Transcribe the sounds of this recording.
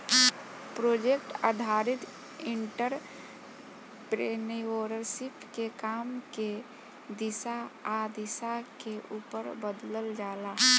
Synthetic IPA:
pɾod͡ʒekʈad̪ʱaɾit̪ | iɳʈəɾ | pɾenioɾəɾsipkekaːmke | d̪isaad̪isakeʔuːpəɾbəd̪ləld͡ʒaːla

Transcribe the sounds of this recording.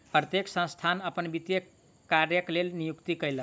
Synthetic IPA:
pɾət̪jeksə̃st̪ʰanəpənbit̪jə | kaɾjəklelnijukt̪ikəjlə

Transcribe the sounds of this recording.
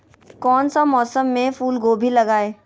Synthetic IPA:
kɔːnsamɔːsəmːẽfuːlɡoːbʱilɐɡaːeː

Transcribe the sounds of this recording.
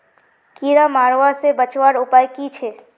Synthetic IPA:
kiɾamaɾʋasebət͡ʃwaɾupajkit͡ʃʰe

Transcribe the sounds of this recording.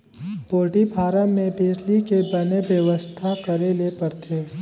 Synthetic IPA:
poːʈibʱaːɾəmẽpeːd͡ʒlikebɐnebjəʋəst̪ʰakəɾelepəɾt̪ʰeː

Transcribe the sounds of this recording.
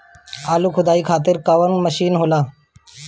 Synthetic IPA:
aːlukʰʊd̪aːiːkʰaːt̪̬ɪɾkaʋənməʃiːnɦoːlaː

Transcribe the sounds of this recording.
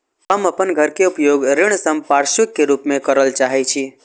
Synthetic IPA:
ɦəməpənɡʱəɾkeupjoɡɾɪɳ̃səmpaɾʃʋɪkːeɾuːpmẽkəɾəlt͡ʃaɦɛt͡ʃʰi

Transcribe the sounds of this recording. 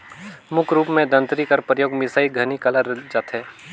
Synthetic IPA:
mʊkʰɾuːpmẽd̪ə̃nt̪ɾikɐɾpɾəjoːɡmɪsaːiɡʱɐnikɐləɾd͡ʒat̪ɦɛː

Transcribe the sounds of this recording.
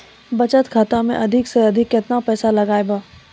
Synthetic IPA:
bɐt͡ʃət̪kʰaːt̪amḛ̃ʔɐd̪ʱɪkseɐd̪ʱɪkjɪt̪napɛːsalɐɡaːebaː

